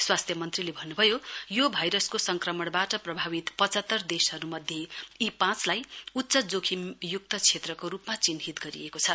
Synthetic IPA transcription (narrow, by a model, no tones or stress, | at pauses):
swast̪ʰjʌmʌnt̪rilebʱʌnːubʱʌjojobʱʌjɾʌskosʌŋkrʌmʌɽbaʈʌprʌbʱaβit̪pʌt͡sʌt̪ːʌrd̪esɦʌɾumʌd̪ʱjeipãt͡slajut̪ːsʌd͡zokʰimjuk̚t̪ʌt͡sʰet̪rʌkoɾupmat͡sinɦit̪ɡʌɾḭekot͡sʰʌ